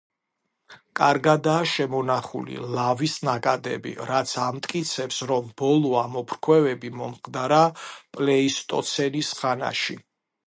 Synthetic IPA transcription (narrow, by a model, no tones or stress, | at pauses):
kʼaɾɡad̪aːʃɛmɔnaχṵlḭlavisnakʼad̪ɛ̰bḭɾat̪sʰamt̪ʼkʼit̪sʰɛpsɾɔmbɔlˠɔamɔpʰɾkʰwɛvɛbimɔmχd̪aɾapʼlɛist̪ʼɔ̰t̪sʰɛnisχana̰ʃi